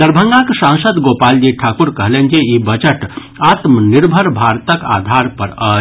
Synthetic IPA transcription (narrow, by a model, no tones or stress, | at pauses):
d̪əɾbʱəŋɡãkesãŋsəd̪ɡopald͡ʒiʈʰakuɾkəɦlend͡ʒejibət͡ʃəʈ | at̪mniɾbʱəɾbʱaɾt̪əka̰d̪ʱaɾpəɾə